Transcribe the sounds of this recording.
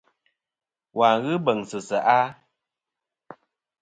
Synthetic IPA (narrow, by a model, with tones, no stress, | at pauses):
wa˨ɣɨ˦bə˨ŋsɨ˨sə˨ʔa˦